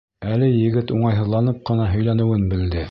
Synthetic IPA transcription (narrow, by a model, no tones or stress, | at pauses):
ælɘjɘ̆ɡɘt̪uɴɑjɦɤ̆ðlˠɑnɤp̚qɤ̆nɑɦɵ̆jlænɘ̆wɘnbɘ̆ld̪ɘ